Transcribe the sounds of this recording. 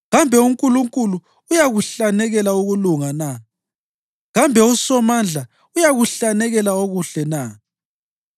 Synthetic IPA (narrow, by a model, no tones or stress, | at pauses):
ɣambʱɛuŋkʼuluŋkʼuluː | jaɣuɬanɛɣɛlauɣuluŋana | ɣambʱɛusɔmand͡ɮʱa | ujaɣuɬanɛɣɛlaoɣuɬɛna